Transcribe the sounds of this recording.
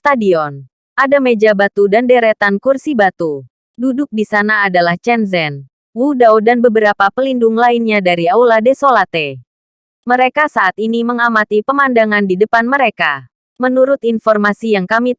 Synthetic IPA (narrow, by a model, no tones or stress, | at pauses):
st̪adiɔn | ʔadamed͡ʒabat̪udandeɾɛt̪ankursibat̪u | dudʊk̚disanaːdalaht͡ʃɛnzɛn | wudawdanbəbəɾapapəlindʊŋlainɲadaɾiawladesolat̪e | məɾekasaʔat̪iniməŋamat̪ipəmandaŋandidəpanməɾeka | mənuɾʊt̪infɔrmasijaŋkami